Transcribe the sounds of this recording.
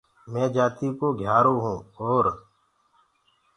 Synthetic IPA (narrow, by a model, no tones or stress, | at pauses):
mɛ̃ːd͡ʒaːt̪iːkoːɡʱjaːɾõːɦũːoːɾ